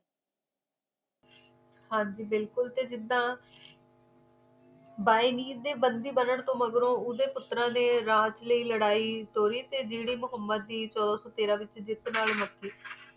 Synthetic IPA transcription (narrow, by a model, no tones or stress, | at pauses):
hãːɲd͡ʒiːbɪlkʊlt̪eːd͡ʒɪd̪ːãː | baːiːniːd̪eːbənd̪iːbənəɳt̪õːməɡɾõːʊd̪eːpʊt̪ːɾãːneːɾãːt͡ʃləiːləɽaːiːt̪oːɾiːt̪eːd͡ʒiːɽiːmʊɦəmːəd̪̚ːiːt͡ʃɔːd̪ãːsɔːt̪eːɾãːʋɪt͡ʃd͡ʒɪt̪naːlməkːiː